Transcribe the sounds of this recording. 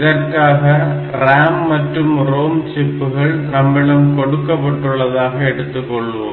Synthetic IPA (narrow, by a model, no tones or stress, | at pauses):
ɾɐkaːɣɐ | raːmːɐtɾɯmroːmt͡ɕipːɯɣɐɭnɐmːɪɽɐmkoɽɯkːɐpːɐʈːuɭːɐðaːɣɐeɽɯt̪ːɯkːoɭːu